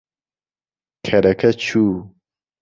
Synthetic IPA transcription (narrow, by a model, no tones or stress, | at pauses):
kʰɐɾɐkʰɐt͡ɕʰuː